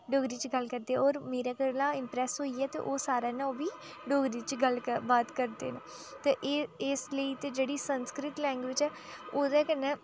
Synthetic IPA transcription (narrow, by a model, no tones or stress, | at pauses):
ɖoːɡɾiːt͡ʃɡəlkəɾd̪eːɛɔːɾmeːɾaːkəɾnãːɪmpɾɛːsɦoːiːɛːt̪ḛːʔoːsaːɾɛːnɛ̃oːʋiː | ɖoːɡɾiːt͡ʃɡələbaːt̪kəɾd̪ḛːne | t̪eːʔɪsləiːt̪eːd͡ʒeːɽiːsənskɾɪt̪lɛ̃ːŋɡʋɪt͡ʃɛː | oːd̪ɛːkənɛ̃ː